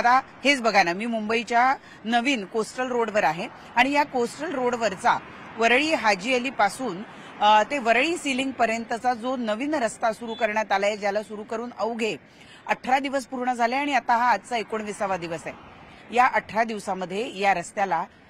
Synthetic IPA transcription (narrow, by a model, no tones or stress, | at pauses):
at̪a | het͡sbəɡʱanamiːmumbəit͡ɕja | nəʋiːnkosʈəlɾoɽʋəɾaɦe | aɽ̃ijakosʈəlɾoɽʋəɾt͡sa | ʋəɾɭiːɦad͡ʑieliːpasuːn | t̪eʋəɾɭiːsiliŋɡ̚pəɾjənt̪ət͡sad͡zonəʋiːnɾəst̪asuɾuːkəɾɳjat̪alaed͡ʑjalasuɾuːkəɾuːnəʋɡʱe | əʈʰɾad̪iʋəs̬puɾɳəd͡zʱaleaɽ̃iat̪aɦaːd͡zt͡saekoɳʋisaʋad̪iʋəsae | jaʔəʈʰɾad̪iʋsaməd̪ʱːjejaɾəst̪jala